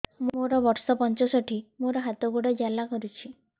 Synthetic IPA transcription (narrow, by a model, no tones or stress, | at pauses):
moɾɔbɔɾsɔpɔnt͡ʃɔsɔʈʰimoɾɔɦat̪ɔɡuɽɔd͡ʒalakɔɾut͡ʃʰi